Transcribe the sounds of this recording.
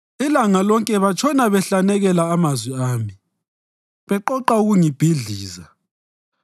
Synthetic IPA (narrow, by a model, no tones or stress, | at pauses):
ilaŋalɔŋkʼɛβat͡ʃʰɔnaβɛɬanɛɣɛlaːmazwiaːmi | βɛǃɔǃauɣuŋib̥ʱiɮiːza